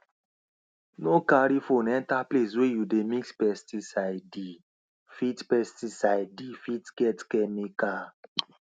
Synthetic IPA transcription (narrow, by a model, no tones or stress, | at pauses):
nokaɾifonɛntapleswejudemikspɛstisaɪdi | fitpɛstisajdifitɡɛtkɛmikal